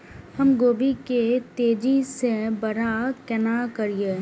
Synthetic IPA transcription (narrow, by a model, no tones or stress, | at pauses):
hɐmɡoːbiket̪eːd͡ʒisebəɾakɛnakəɾie